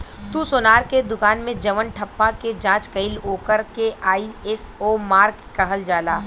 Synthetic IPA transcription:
t̪usoːnaːɾked̪ʊkaːnmẽd͡ʒɐʋənʈʰɐpːaked͡ʒãːt͡ʃkɐɪloːkəɾkeaːiɛsoːmaːɾk | kɐɦəld͡ʒaːlaː

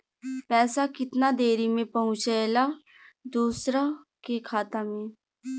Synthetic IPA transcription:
pɛːsakɪt̪nad̪eːɾimẽpɐɦʊ̃t͡ʃaela | d̪uːsɾa | kekʰaːt̪amẽː

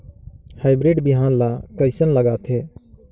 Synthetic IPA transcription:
haːɪbɾeːɖbɪɦaːnlakəɪsənləɡaːt̪ʰeː

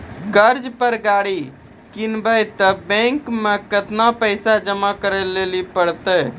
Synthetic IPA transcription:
ɡəɾd͡ʒpəɾɡaɽi | kinbəjt̪əbɛ̃ŋkmekət̪napəɪsad͡ʒəmakəɾɛlelipəɽt̪əj

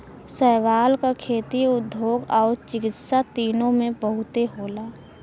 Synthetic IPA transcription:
sɛɦʋaːlkakʰeːt̪iʊd̪ʱoːɡɔːɾt͡ʃɪkɪt̪sat̪iːnõmẽpəɦʊt̪eɦoːlaː

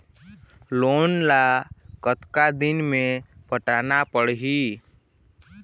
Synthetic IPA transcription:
loːnlakət̪kad̪ɪnmẽpəʈaːnapəɽɦiː

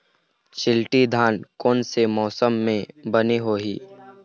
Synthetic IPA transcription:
ʃɪlʈid̪ʱaːnkɔːnsemɔːsəmːẽbəniɦoːɦiː

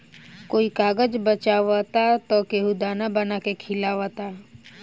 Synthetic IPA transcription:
koːikaːɡəd͡ʒbət͡ʃaːʋat̪at̪ɔkeɦud̪aːnabənakekʰɪlaːʋat̪a

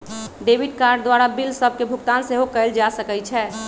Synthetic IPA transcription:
ɖebiɖkaɾɖ̚d̪ʋaɾabilsəbʱkebʱukt̪anseɦokəɪld͡ʒasəkɛt͡ʃʰɛ

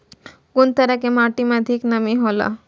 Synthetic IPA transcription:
kunt̪əɾakemaʈimẽəd̪ʱiknəmiɦola̰

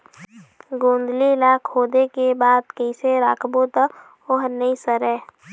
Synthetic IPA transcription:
ɡõːnd̪lilaːkʰoːd̪ekebaːd̪kəɪseɾaːkʰbot̪ə | oɦnəisəɾɛː

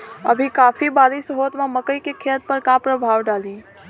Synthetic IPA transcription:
ə̰bʱikaːfʰibaːɾɪsɦoːt̪mãməkəikekʰeːt̪̚pəɾkapɾəbʱaːwɖaːliː

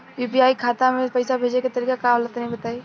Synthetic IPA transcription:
juːpiaːikʰaːt̪amẽpɐjsabʱeːd͡ʒneket̪ɐɾiːkakaɔlət̪nɐɦĩbɐt̪aːiː

